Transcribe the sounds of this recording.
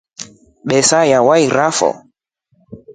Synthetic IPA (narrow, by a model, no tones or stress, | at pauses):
ɓɛsajawaiɾafɔ̰